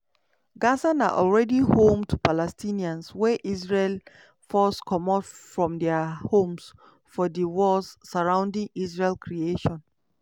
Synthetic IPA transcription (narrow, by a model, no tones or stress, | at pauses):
ɡasãnaʔɔlɹɛdihõmtʰupalɛstiniãnswɛʔisɹel | fɔskʰɔmɔtfɹɔ̃mdɛahõms | fɔdiwɔlssaɹãʊ̃ndĩŋisɹelkɹieʃɔ̃n